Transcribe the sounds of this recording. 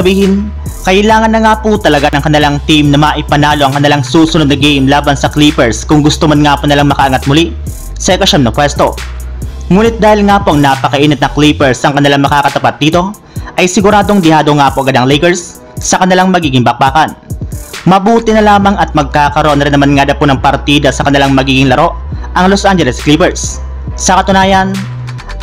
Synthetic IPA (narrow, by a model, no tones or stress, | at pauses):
ɐbiːhɪn | kɐʔɪlaːŋɐnːɐŋaːput̪ɐlɐɡanɐŋkɐnɪlaŋt̪imnɐmaʔɪpɐnaːlo̞ʔɐŋkɐnɪlaŋsuːsʊnod̪nɐɡejmlaːbɐnsɐklipɛɹskʊŋɡʊst̪omɐnŋaːpʊnɪlaŋmɐkɐʔɐŋat̪̚mʊli | sɐʔɪkɐʃɐmnɐpwɛst̪o̞̰ | ŋuːnɪt̪̚d̪aːhɪlŋaːpoʔɐŋnapɐkɐʔiːnɪt̪̚nɐŋklipɛɹsʔɐŋkɐnɪlaŋmɐkaːkɐt̪ɐpat̪̚d̪iːt̪o̞ | ʔɐjsɪɡʊɾaːd̪o̞ŋd̪ɪhaːd̪o̞ŋaːpoʔɐɡɐd̪aŋlɛjkɛɹsː | ɐkɐnɪlaŋmɐɡiːɡɪŋbɐk̚baːkɐnmɐbuːt̪ɪnɐlaːmɐŋɐt̪̚mɐɡ̚kaːkɐɾoʔo̞nɾɪnːɐmanŋad̪ɐponɐŋpɐɾt̪id̪ɐsɐkɐnɪlaŋmɐɡiːɡɪŋlɐɾo̞ʔʔɐŋlosʔand͡ʒɛlɛsklipɛɹsː | ɐkɐt̪ʊnaːjɐn